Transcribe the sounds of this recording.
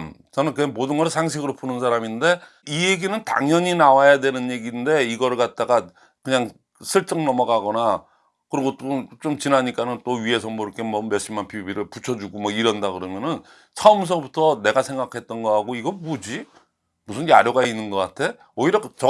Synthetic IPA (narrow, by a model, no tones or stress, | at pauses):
mt͡ɕʌnɯnkɯemodɯnɡʌɾɭsʰaŋɕ̬ʰiɡɯɾopʰunɯnsʰaɾaminde̞ | ije̞ɡinɯnta̰ŋɲʌɲinawajadwe̞nɯnje̞ɡinde̞iɡʌɭkat̚t͈aɡa | kɯɲaŋ | sʰɯɭt͡ɕ͈ʌŋnʌmʌɡaɡʌna | kɯɾiɡot͈ot͡ɕomt͡ɕinaɲik͈anɯnt͈oɥie̞sʰʌmʌiɾʌkʰe̞mʌmeɕ͈ʰimanpʰibiɾɯɭput͡ɕʰʌd͡ʑuɡomʌiɾʌndaɡɯɾʌmjʌnɯn | sʰʌɯms̬ʰʌbutʰʌne̞ɡasʰe̞ŋɡakʰe̞t̚t͈ʌnɡʌɦaɡoiɡʌmud͡ʑi | musʰɯnjaɾjoɡainːɯnɡʌk͈atʰe̞ | ʌiɾʌt͡ɕʌ